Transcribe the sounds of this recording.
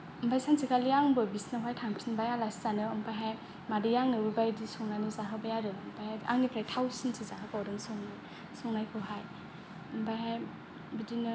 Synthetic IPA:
ɯmpʰajsansʰikaliaŋbɯbisnaɦajtʰaŋpʰinbajalasi̥zanɯɯmpajɦaj | madijaŋnɯɾubajdisɔŋnajnɯzaɦɯbajadɯɯmpʰajhajʔaŋnipʰɾajtʰawsintʰizaɦɯpawdɯŋsɔŋnaj | sɔŋnajkʰɯɦaj | ɯmpajɦaj | bidinɯ

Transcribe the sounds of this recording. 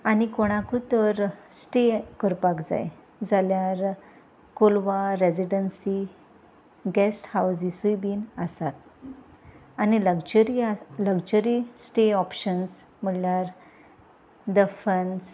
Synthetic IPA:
anikoɽ̃ãkut̪əɾsʈekəɾpakd͡za̰j | d͡zaljaɾ | kolʋaɾed͡ziɖənsi | ɡɛsʈhawsisuibiːnəsat̪̚ | añiləɡd͡ʑəɾiləɡd͡ʑəɾisʈeɔpɕəns | m̤əɽljaɾ | d̪əfəns

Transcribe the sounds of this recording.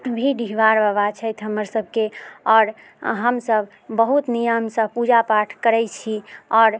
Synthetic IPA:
bʱiɖiɦʋaɾbəβat͡ʃʰəjt̪ʰɦəmːəɾsəb̚ʱkeɔːɾ | ɦəmsəbʱ | bəɦut̪nijəmsə̃pud͡ʒapaʈʰkəɾɛt͡ʃʰiɔːɾ

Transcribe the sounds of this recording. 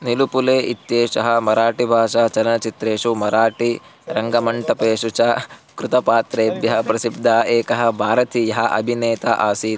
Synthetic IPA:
nilupuleːʔit̪ːjeːʂɐɦɐ̆mɐɾaːʈibʱaːʂaːt͡ʃɐlɐnɐt͡ʃit̪ɾeːʂumɐɾaːʈi | ɾɐŋɡɐmɐɳʈɐpeːʂut͡ʃɐkɾut̪ɐpaːt̪ɾeːbjɐɦɐpɾɐsib̚d̪ʱaːeːkɐɦɐ̆bʱaːɾɐt̪ʰijɐɦɐ̆ʔɐ̰bʱineːt̪aʔaːsiː

